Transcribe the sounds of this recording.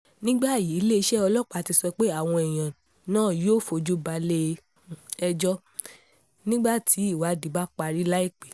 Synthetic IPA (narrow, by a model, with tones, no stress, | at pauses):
nĩ˦ɡ͡ba˦˨ji˨˦le˦i˧˦ʃɛ˦ɔ˧lɔ˦k͡pa˨˧˨ti˧sɔ˧k͡pe˦a˦˨w̃ɔ̃˧ɛ˨j̃ã˨ | nãː˦˨joː˦˨fo˧d͡ʒu˦ba˧le˦˧ | ɛ˧d͡ʒɔ˦ | nĩ˦ɡ͡ba˦˨tʰi˨˦i˦˨wa˨˦di˨˦ba˦k͡pa˧ɾi˦la˦i˦˨k͡pe˨